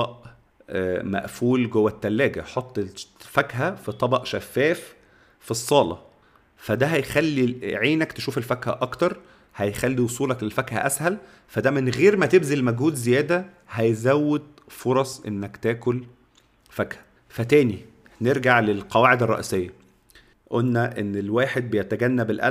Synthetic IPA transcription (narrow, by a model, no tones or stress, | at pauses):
ɑʔ | mæ̰ʔfuːlɡowːæt̪ːælːæːɡæħot̪ˤːefæɡɦæfit̪ˤɑbɑʔʃæfːæːf | fisˤːɑːlɑ̰ | fæd̪æɦæjxælːiʕiːnækt̪eʃuːfelfækhæ̰ʔɑkt̪ɑɾˤ | hæjxælːiwosˤuːlɑklelfækhæʔæshæl | fæd̪æmenɣeːɾmæt̪ebzilmæɡhuːd̪zejæːd̪æ | hæjzæwːed̪̚ | foɾˤɑsˤʔenːækt̪æːkol | fæɡhæ̥ | fæt̪æːni | neɾɡaʕlelqɑwaːʕed̪ɑrˤːɑ̰ʔḭsejːæ | ʔolːæʔenːelwæːħed̪̚bejæt̪æɡænːæbelʔæ̰